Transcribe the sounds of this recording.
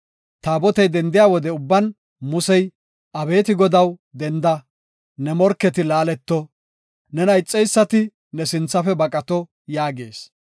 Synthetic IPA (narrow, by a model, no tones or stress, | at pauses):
t̪aːbɔt̪ɛjd̪ɛnd̪ɪjaːwɔd̪ɛʊbːɐn | mʊsɛj | ʔɐbe̞ːt̪ɪɡɔd̪ɐwd̪ɛnd̪ɐ | nɛmɔɾkːɛt̪ɪlaːlɛt̪ːɔ | nɛnɐjt͡sʼːɛjsːɐt̪ɪ | nɛsɪnt͡sːɐfɛbɐkʼɐt̪ɔ | jaːɡe̞̰ːs